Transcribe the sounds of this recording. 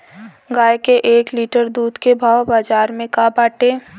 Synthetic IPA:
ɡaːjkeʔeːkliːʈəɾd̪uːd̪kebʱaːwbaːd͡ʒaːɾmẽkaːbaːʈeː

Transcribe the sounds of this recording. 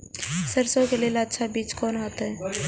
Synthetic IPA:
səɾsõkeleːlətːʃʰabiːt͡ʃkɔːnɦat̪aɦɛː

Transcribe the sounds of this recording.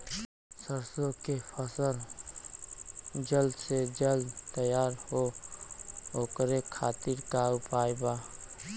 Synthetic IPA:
səɾsõkepʰəsəl | d͡ʒəld̪sed͡ʒəld̪t̪əjaːɾho | oːkɾekʰaːt̪iɾkaʊpaːjbaː

